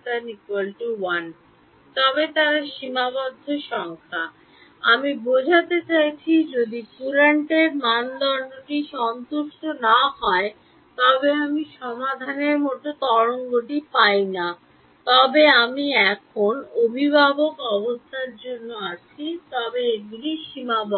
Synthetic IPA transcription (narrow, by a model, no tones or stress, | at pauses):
t̪anikwalʈuwan | t̪ɔbet̪aɾaʃimabɔd̪ʱːoʃɔŋkʰa | amibod͡ʑʱat̪et͡ɕajt͡ɕʰid͡ʑod̪ikuɾaɳʈeɾmand̪ɔɾnoʈiʃɔnt̪uʃʈonaɦɔe | t̪ɔbeamiʃɔmad̪ʱaneɾmoʈot̪ɔɾoŋɡoʈipajna | t̪ɔbeamiɛkʰonobʱibʱabokɔbost̪ʰaɾd͡ʑonːoat͡ɕʰit̪ɔbeeɡuliʃimabɔ